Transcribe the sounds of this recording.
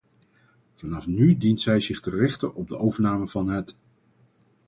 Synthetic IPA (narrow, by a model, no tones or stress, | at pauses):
v̥ɑnɑfnydintsɛjzɪχtərɪχtəɔb̚dəʔowvəɹnaːməv̥ɑnɦət